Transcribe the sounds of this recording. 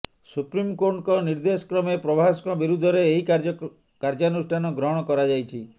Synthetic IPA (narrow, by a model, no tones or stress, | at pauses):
supɾimkoɾɳkɔniɾd̪esɔ̥kɾɔmepɾɔbʱaskɔbiɾud̪ʱːɔɾeːɦik | kaɾd͡ʒanusʈʰanɔɡɾɔɦɽ̃ɔkɔɾad͡ʒajt͡ʃʰi